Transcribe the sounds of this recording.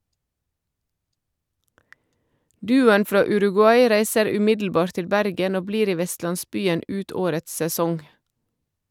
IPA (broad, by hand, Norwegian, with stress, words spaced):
ˈdʉːʊən ˈfɾɑː ʉɾʉɡʉˈɑɪ ˈɾæɪsəɾ ʉˈmɪdl̩ˌbɑːɾt ˈtɪl ˈbæɾɡən ˈoː ˈbliːɾ ˈiː ˈʋɛstlɑnˌsbyːən ˈʉːt ˈoːɾəts sɛˈsɔŋ